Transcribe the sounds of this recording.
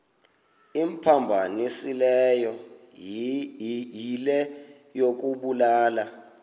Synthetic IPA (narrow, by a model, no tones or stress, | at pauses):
im̩pʰambʱanisilɛjɔ | jilɛ | jok̬uɓulaːla